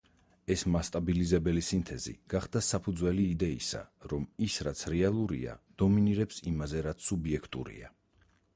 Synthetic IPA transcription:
ɛsmast̪ʼabilizɛbɛlisint̪ʰɛzḭɡ̥aχd̪asapʰud̪zwɛliːd̪ɛisa̰ɾɔmisɾat̪sʰɾɛalˠuɾḭa̰d̪̥ɔminiɾɛpsimazɛɾat̪sʰubiɛkʰt̪ʼṵɾḭa

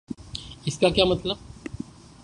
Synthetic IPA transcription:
ɪskakjamət̪ləb̚

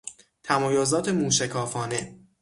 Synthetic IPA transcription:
t̪ʰæmɒːjozɒːt̪ʰe̞muːʃækʰɒːfɒːne̞

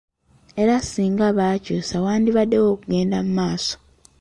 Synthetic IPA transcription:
e̞ɾasiːŋɡaβaːcoːsawaːndiβadːewoːkuɡe̞ːndamumaːso̥

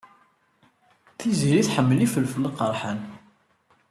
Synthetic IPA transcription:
θiziɾiθħəmːəlifəlfələqəɾˤħən

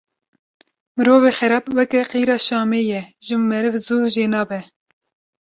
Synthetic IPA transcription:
mɨɾoːveːxɛɾɑːpwɛkɛqiːɾɑːʃɑːmeːjɛʒɨmɛɾɨvzuːʒeːnɑːbɛ

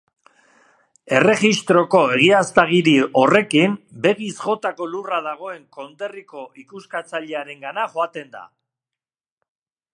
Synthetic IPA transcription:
e̞re̞ɣist̪ɾo̞ko̞e̞ɣ̞iast̪aɣiɾio̞re̞kimbe̞ɣ̞isʝo̞t̪ako̞luraðaɣ̞o̞e̞ŋko̞nd̪e̞riko̞ʔikuskat͡saʎe̞aɾe̞ŋɡanaʝo̞at̪e̞nd̪a̰

